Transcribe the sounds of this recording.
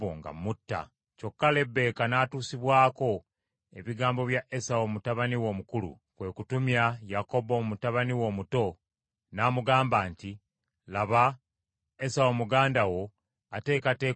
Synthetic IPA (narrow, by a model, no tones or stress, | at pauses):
o̰ŋɡa̰mutːa̰ | co̞kːale̞bːe̞ːkanaːtuːsiβwaːko̞ | e̞βiɡaːmbo̞βjaʔe̞sawo̞mutaβaniwo̞ːmukulṵ | kwe̞ːkutumjajako̞bomutaβaniwo̞ːmuto̞ | naːmuɡaːmbaːnti | laβa | esawo̞muɡaːndawo̞ | ate̞ːkate̞ː